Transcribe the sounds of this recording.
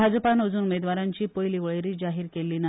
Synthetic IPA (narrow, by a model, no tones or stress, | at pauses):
ad͡zəpanəd͡zuːnumed̪ʋaɾaɲt͡ɕiːpəjliʋəɭeɾiːd͡zaɦiːɾkelːiːna